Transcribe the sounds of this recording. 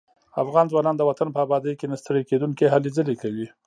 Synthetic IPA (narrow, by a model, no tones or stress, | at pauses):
a̰fɣɑnzwɑnɑnd̪əwat̪anpəabɑd̪əjkenast̪əɽeked̪uŋkeɦalezəlekawi